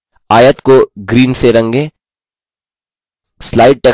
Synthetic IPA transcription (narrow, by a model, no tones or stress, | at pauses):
aːjət̪koɡɾiːnseɾɐ̃ŋɡẽː | slaːɪɖ̚ʈeː